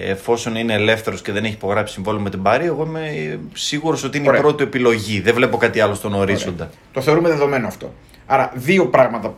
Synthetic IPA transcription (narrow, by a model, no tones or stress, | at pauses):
ḛfo̞so̞nine̞ːle̞fθe̞ɾo̞sce̞ðe̞neçi̥po̞ɣɾɐpsi̥siɱvo̞lumet̪ibɐɾiɐeɣo̞imesiɣuɾo̞so̞t̪iineipɾo̞t̪ue̞pilo̞ʝiðe̞vle̞po̞kɐt̪iɐlo̞st̪o̞noɾizo̞nd̪ɐ | t̪oθeoɾumeðe̞ðo̞me̞noɐft̪o̞̰ | ɐɾɐðio̞pɾɐɣmɐt̪ɐ